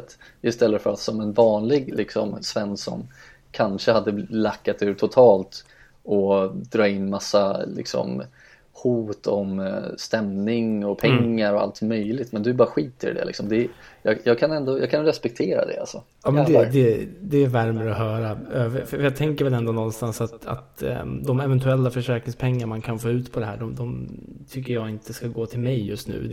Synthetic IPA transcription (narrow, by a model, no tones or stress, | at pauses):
t̪ | ɪst̪ɛlːəfœɾat̪sɔmɛnvɑːnlɪɡlɪksɔmsvɛnːsɔ̰m | kʰanʂəhad̪ːəlakːat̪ʉ̟ːʈ̪ʰʊt̪ʰɑːlt̪ | ɔd̪ɾɑːɪnːmasːalɪ̰ksɔ̰m | huːt̪ʰɔmst̪ɛmnɪŋɔpʰɛŋːaɾɔa̰lt̪mœjlɪɡt̪mɛnd̪ɵbɑːɾaɧiːt̪ə̰ɖɛ̰lɪ̰ksɔmd̪ɛjɑjɑːɡ̚kʰanɛnd̪ojɑːɡkʰanɾɛspɛk̚t̪ʰeːɾa̰d̪ɛ̰a̰lsɔ | ɑːmɛd̪ɛd̪ɛd̪ɛːɾvæɾməɾɔɦœːɾafœfœɾjɑːt̪ʰɛŋkəɾvɛlɛnd̪ɔnɔnːst̪ansat̪a̰t̪d̪ɔmɛvɛnt̪ʉɛlːafœʂɛːɾkɾɪŋspʰɛŋːamankʰanfoːʉ̟ːt̪pʰɔd̪ɛɦæ̰ːɖɔmd̪ɔmt̪ʰʏkːəjɑːɡɪnt̪əskaɡoːt̪ʰɪlmɛjːɵst̪nʉ̟̰ː